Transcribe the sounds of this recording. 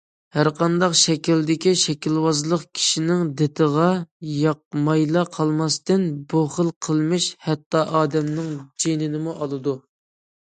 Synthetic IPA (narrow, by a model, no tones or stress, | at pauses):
hæɾqɑnd̪ɑqʃɛkʲild̪ɪkʲiʃɛkʲilwɑzlˠəqkʲʰi̥ʃinɪŋd̪ɪt̪ʰəʁɑjɑq̚mɑjlˠɑqʰɑlˠmɑst̪ɨnbuχəlˠqʰəlˠmɪʃhɛt̪ːɑʔɑːd̪ɛmnɪŋd͡ʒenɪnɪmuʔɑlˠɨd̪u